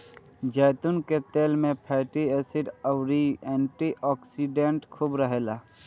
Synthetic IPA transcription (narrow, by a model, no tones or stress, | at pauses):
d͡ʒɛːt̪ʊnket̪eːlmẽpʰɛːʈieːsɪɖəwɾiɛ̃ːɳʈiʔɔːksiɖẽɳʈkʰubɾəɦeːlaː